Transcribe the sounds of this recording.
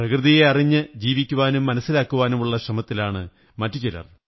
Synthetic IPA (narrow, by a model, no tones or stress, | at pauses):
prɐkrɨðijeɐriɲːɨd͡ʑiːʋikʲːuʋaːnumːɐnɐsːilaːkːuʋaːnumuɭːɐɕrɐmɐt̪ːilaːɳɨ | mɐtːut͡ɕilɐ̰r